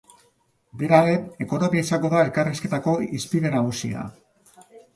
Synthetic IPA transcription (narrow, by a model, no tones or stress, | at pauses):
be̞ɾaɾe̞e̞ko̞no̞miaisaŋɡo̞ðae̞lkariske̞t̪ako̞ispiðe̞naɣusḭa̰